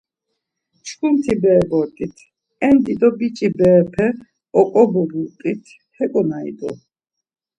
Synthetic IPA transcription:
t͡ʃʰkʰumt̪ʰibɛːbɔɾt̪ʼit̪ʰ | ɛnd̪id̪ɔbit͡ʃʼibɛːpʰɛ | ɔkʼɔbɔbut̪ʼit̪ʰ | hɛkʼɔnaḭd̪ɔ̰

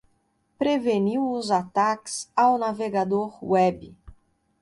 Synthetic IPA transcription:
pɾeveniwʊzat̪akɪ̥sawnaveɡad̪oɾwɛbɪ

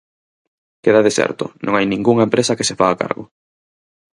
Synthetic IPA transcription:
keðaðesɛ̰ɾt̪ʊ̰nʔõ̰ŋajnĩŋɡuŋɐempɾesɐkesefaːka̰ɾɣʊ

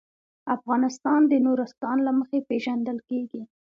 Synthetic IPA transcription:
afɣɑnɪst̪ɑnd̪ənoɾast̪ɑnlaməxepeʒand̪əlkeɡi

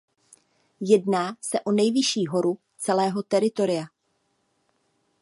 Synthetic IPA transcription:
jɛdnaːsɛʔo̞nɛjvɪʃiːɦo̞ɾu | t͡sɛlɛːɦo̞t̪ɛɾɪt̪o̞ɾɪja

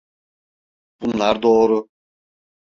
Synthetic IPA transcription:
b̥unlˠaɾd̪oːɾu

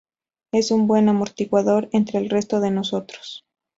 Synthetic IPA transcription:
e̞sumbwe̞namo̞ɾt̪iɣwaðo̞ɾe̞nt̪ɾe̞ːlre̞st̪o̞ð̞e̞no̞so̞t̪ɾo̥s

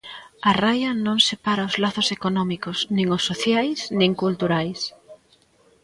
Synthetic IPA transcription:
arajɐnõŋsepaɾaozlaθosekonɔmikosnĩŋʊsːoθjajsnĩŋkult̪uɾajs

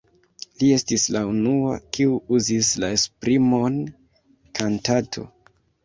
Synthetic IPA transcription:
lie̞stislaunua̰kiuuzislaespɾimon | kʰantatʰo̞̰

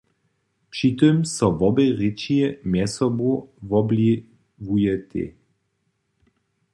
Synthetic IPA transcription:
pʂit̪ømsɔvɔbɛʁit͡ʃiɛmjɛsɔbuvɔbli | vujɛt̪ḛ

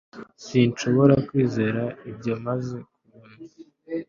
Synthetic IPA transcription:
sint͡ʃo̞βo̞ɾakwiːzeɾaibɟo̞maze̞k̚uuːni

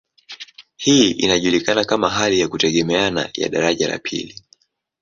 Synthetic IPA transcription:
hiːʔḭnaʄulikanakamaɦalijakutɛɠɛmɛana̰ja̰ɗaɾaʄala̰pʰḭli

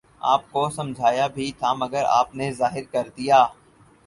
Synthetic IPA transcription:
a̰ːp̚kosɐ̃md͡ʒʱaːjabʱit̪ʰamɐɡəɾa̰ːpnezaːɦɪɾkɐɾd̪ijaː

